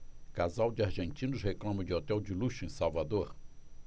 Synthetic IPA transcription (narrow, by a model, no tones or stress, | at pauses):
kazawd͡ʒɪaɾʒẽnt͡ʃĩnʊsheklɐ̃mɐd͡ʒɪɔt̪ɛwd͡ʒɪluʃʊẽsawvad̪oɾ